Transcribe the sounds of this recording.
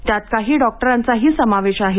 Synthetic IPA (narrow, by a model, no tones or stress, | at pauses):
t̪jat̪̚kaɦiːɖɔk̚ʈəɾant͡saɦiːsəmaʋeɕaɦe